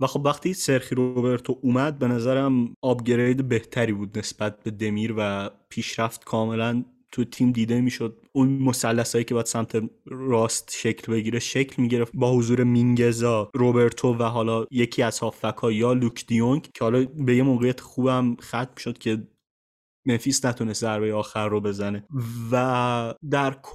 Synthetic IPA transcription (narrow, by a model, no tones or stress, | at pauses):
væxo̞bvæxt̪ʰiːse̞ɾxiɾo̞be̞ɾt̪ʰoʔuːmæd̪̚be̞næzæɾæmɒːbɟeɾejd̪ebe̞ht̪ʰæɾiːbuːd̪ne̞sb̥æt̪̚be̞d̪e̞miːɾvæpʰiːʃɾæft̪kʰɒːme̞læn | t̪ʰujet̪ʰiːmd̪iːd̪e̞miːʃo̞d̪̚unmosælːæsɒːjiːcʰebɒæd̪̥sæmt̪ʰe̞ɾɒːst̪ʃe̞cʰlbe̞ɟiːɾe̞ʃecʰlmiːɟe̞ɾe̞ft̪bɒːhozuːɾe̞miŋɟe̞zɒːɾobe̞ɾt̪ʰovæɦɒːlɒːje̞cʰiːæzhɒːfːækʰɒːjɒːlukʰd̪̥ijoŋkcʰehɒːlɒbe̞je̞moːɣejæt̪ʰe̥xuːbhæmxæt̪ʰmiʃod̪̥cʲʰe̞ | menfiːsnæt̪ʰunest̪zæɾbejeɒːxæɾːobe̞zæne̞væd̪æɾkʰ